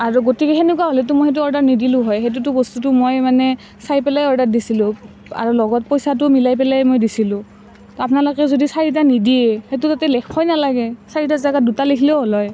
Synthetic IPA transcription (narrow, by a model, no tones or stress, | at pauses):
aɹuɡotikɛxenɛkuwaɦolɛtumojhet̬uɔɹdanidilʊ̃ɦɔjɦet̬ut̬ʊbɔstutʊmojmanɛ | sajpɛlajɔɹdat̚disilʊ̃ | a̰ɹulɔɡɔt̚pojsat̬ʊmilajp̬ɛlajmojdisilʊ̃ | tɔapnalokɛzodisaɹit̬anidiɛhetʊtatɛlɛkpʰɔjnalaɡɛsaɹitazaɡadutalikʰilɛʊɦɔlɔj